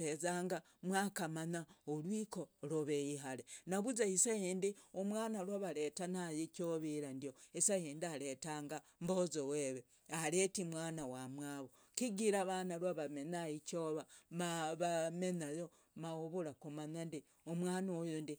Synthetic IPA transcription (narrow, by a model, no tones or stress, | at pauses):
ezaːŋɡa | mwaːkamanaolwiːkoloβejiɦalenaβuzaisajindiomwaːnalwaβaɾetanajikoβiɾandijoisajeːndiaɾetaːŋɡambozoweβe | aɾetimwaːnawamwaːβo | kiɡiɾaβanalwaβamenajikoβamaβamenajo | maoβuɾakomanandi | omwaːnaojondi